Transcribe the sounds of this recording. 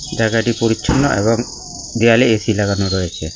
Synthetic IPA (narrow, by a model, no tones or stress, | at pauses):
d͡ʒaɡaʈipɔɾit͡ʃʰɔnːɔ̰ʔḛbɔŋ | d̪ɛjalɛesilaɡanɔɾɔɛt͡ʃʰɛ